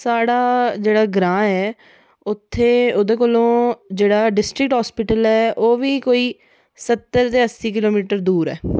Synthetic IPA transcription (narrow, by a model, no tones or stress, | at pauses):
saːɽaːd͡ʒeːɽaːɡɾãːɛː | ʊt̪ʰːeːod̪eːk̬olõːd͡ʒeːɽaːɖɪsʈɾɪk̚ʈɦaːspɪʈəlɛːoːʋiːkoːiː | sət̪ːəɾt̪eːəsːiːk̬ɪloːmiːʈəɾd̪uːɾɛ̰ː